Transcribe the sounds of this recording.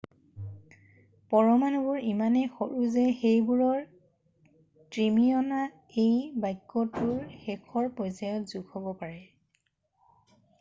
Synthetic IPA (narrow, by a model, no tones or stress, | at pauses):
pɔɹɔmanɔbʊɹimanɛxoɹuzɛxejbuɹɔɹ | tɹimiɔna | ejbajkːɔtʊɹxɛkʰɔɹpɔjzajɔtzuɡhobɔpaɹɛ